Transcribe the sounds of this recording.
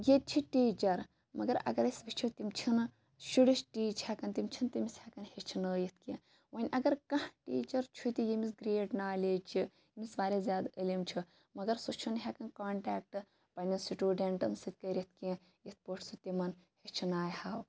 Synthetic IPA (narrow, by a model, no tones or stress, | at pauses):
jet̪̚t͡ʃʰiʈiːt͡ʃɐɾ | mɐɡɐɾɐ̰ɡɐɾɐsʲʋit͡ʃʰit̪imʲt͡ʃʰin | ʃuɽiʃʈiːt͡ʃʰhakɐnt̪imʲt͡ʃʰint̪imishakɐnhet͡ʃʰinəːjit̪̚ʰkiɐ̃ | wɐnʲʔɐɡɐɾkɐhʈiːt͡ʃɐɾt͡ʃʰut̪ijimis̬ɡɾeːʈnaːlʲeːd͡ʒt͡ʃʰi | imisʋaːɾʲezʲjaːd̪əlimt͡ʃʰi | mɐɡɐɾsot͡ʃʰunɦʲɛkɐnkaːɳʈaːk̚ʈɨ | pɐnʲɐsiʈuːɖeɳʈɐmsɨt̪̚ʲkɐɾʲjit̪̚ʰkiɐ̃ | jit̪̚ʰpoʈʰsɨt̪imɐnhet͡ʃʰinaːjhaːw